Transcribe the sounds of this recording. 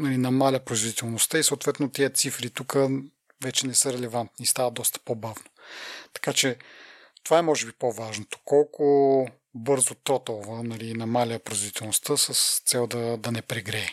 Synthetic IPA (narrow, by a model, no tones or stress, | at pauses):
nɐlinɐmalʲəpɾoizvod̪it̪ɛlˠnost̪əisoːt̪vɛt̪not̪ɛət̪sifɾit̪ukə | vɛt͡ʃɛnɛsəɾɛlɛvant̪nist̪avəd̪ɔst̪ə̥pobavno̥t̪ɐ̥kat͡ʃɛ | t̪ovaɛmɔʒɛbipovaʒnot̪o̥kɔlˠkʊ | bɤɾzot̪ɾɔt̪olˠvənɐlinɐmalʲəpɾoizvod̪it̪ɛlˠnost̪əsəst̪sɛlˠd̪ɐd̪ɐnɛpɾɛɡɾɛː